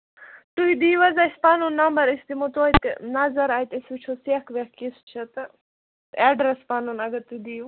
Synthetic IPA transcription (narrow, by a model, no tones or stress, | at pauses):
t̪uɦid̪iːʋɐzaspaːnunːɐmbɐɾisd̪imot̪oit̪nazɐɾaːjt̪esut͡ʃʰoseːkʰʋekkist͡ʃʰɐt̪ | ɛːɖɾespaːnunɐɡɐɾt̪uid̪iː